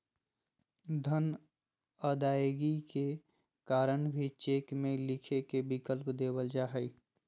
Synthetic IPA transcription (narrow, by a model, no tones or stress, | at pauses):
d̪ʱən | əd̪aːjɡike | kaːɾənbʱit͡ʃeːkmẽlɪkʰekebɪkəlpd̪eːbəld͡ʒaːɦɛi